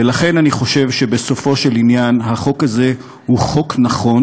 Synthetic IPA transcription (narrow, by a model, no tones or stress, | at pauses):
elaχe̞naniχo̞ʃe̞vʃe̞be̞so̞fo̞ʃe̞linjanhaχo̞kaze̞ | huχo̞knaχo̞n